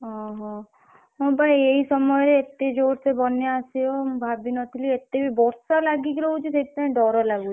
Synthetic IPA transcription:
ɦɔ̃ɦɔ̃ | mɔbʱaieɦisɔmɔjɾeet̪ːed͡ʒoɽsebɔnjasijombʱabinɔt̪ʰiliet̪ebʱibɔɾsalaɡikɾɔut͡ʃʰiseʈt̪ɔẽɖɔɾɔlaɡut͡ʃʰi

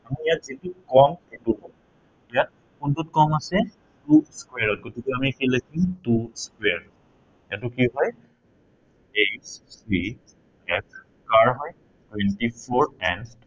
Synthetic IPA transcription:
amijatzitukɔmetuɔ | ejat̚ | kuntutkɔmasɛ | tuskweaɹɔt̚ɡotikɛamixilakʰituskwɛaɹ | jatukiɦɔj | estʰɹi | ɛk̚ʰ | kaɹɦɔj | twɛntipʰɔɹɛn

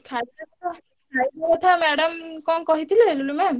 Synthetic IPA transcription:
kʰaakɔt̪ʰa | kʰajbakɔt̪ʰamɛɽamkɔŋkɔɦit̪ʰileelulumɛm

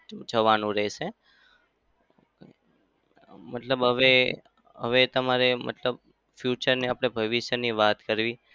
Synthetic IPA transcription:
d͡ʒʱəʋanũɾɛɦʃe | mət̪ləbɦəʋe | ɦə̰ʋet̪əmaɾemə̰t̪ləb̚ | fjut͡ʃəɾneapɽ̃ebʱəʋiʃəniʋat̪kəɾʋi

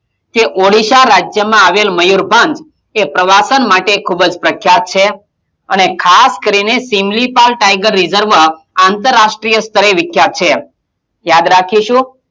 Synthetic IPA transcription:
t̪eʔoɽiʃaɾad͡ʒjəmãaʋelməjuɾbʱãɲd͡ʒ | epɾəʋasənmaʈekʰubd͡ʒpɾəkʰːjat̪̚t͡ʃʰe | ənekʰaskəɾinesimlipalʈajɡəɾːizəɾʋə | ant̪əɾːaʃʈɾijəst̪əɾeʋɪkʰjat̪̚t͡ʃʰe | jad̪ɾakʰiʃũ

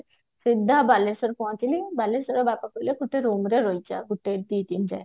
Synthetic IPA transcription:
sid̪ʱːabalesɔɾpɔãt̪ilibalesɔɾɔbakakɔjlekʰuʈʰeɾumɾeɾɔjt͡ʃa̰ɡuʈed̪it̪ind͡ʒa̰j

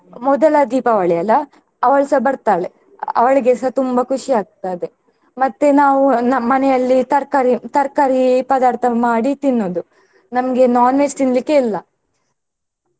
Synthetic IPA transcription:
mɔd̪ɐlɐd̪iːpɐʋɐɭɛjɐlɐ | ɐʋɐɭsɐbɐɾt̪aːɭe | ɐ̰ʋɐɭɐɡɛsɐt̪umbɐkʰuʂiaːɡ̚t̪aːjd̪e̞ | mɐt̪ːenaːʋunɐmɐnɛjɐlːit̪ɐɾkaɾit̪ɐɾkaɾipɐːd̪aːɾt̪ʰɐmaːɽit̪inːoːd̪u | nɐmɐɡenaːnmed͡ʒt̪inlikːeilːɐ

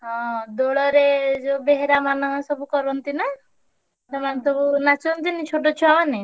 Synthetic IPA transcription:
ɦɔ̃d̪oɭɔɾed͡ʒobeɦeɾamanɔsɔbukɔɾɔnt̪ina | t̪ɔmanet̪obunat͡ʃʰɔnt̪init͡ʃʰoʈot͡ʃʰuamane

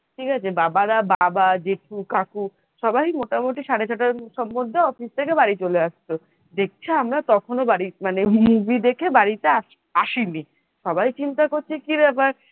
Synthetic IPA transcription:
ʈʰikat͡ɕʰebabaɾababad͡ʑeʈʰukaku | ʃɔbajmoʈamoʈiʃaɽet͡ɕʰaʈaɾʃɔmːod̪ʱːeɔfist̪ʰekebaɽit͡ɕoleaʃt͡ɕʰo | d̪ek̚t͡ɕʰeamɾat̪ɔkʰonobaɽimanemubʱid̪ekʰebaɽit̪ea | aʃini | ʃɔbajt͡ɕint̪akoɾt͡ɕʰekiɾɛbaɾ

